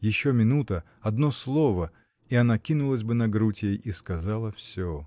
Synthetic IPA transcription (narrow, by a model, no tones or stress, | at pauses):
jɪɕːomʲɪnut̪ə | ɐd̪noslˠovə | iɐnakʲinʊlˠəsʲbɨnɐɡɾutʲɪjejiskɐzalˠəfsʲo